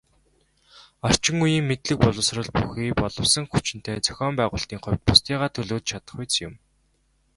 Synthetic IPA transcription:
ɔr̥t͡ɕɪ̆ŋujiːŋmet̪ɮɘ̆k̚pɔɮɞ̆wsrə̆ɮpuxiːpɔɮɞ̆wsə̆ŋxut͡ɕɪ̆n̥t̪ʰeːt͡sœ̥xʲɔːmpæːʁʊːɬt̪iːŋχʊwʲt̪̚pʊst̪iːʁaːt̪ʰɵɮoːt̪t͡ɕʰat̪ə̥̆χujt͡sjʊ̰m

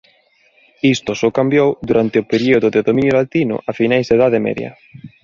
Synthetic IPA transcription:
ist̪ʊsokambjowðuɾant̪ɪʊpeɾioðʊðeðomĩinjolat̪inʊ̰ʔafinajzd̪eðaðemɛ̰ðjɐ̰

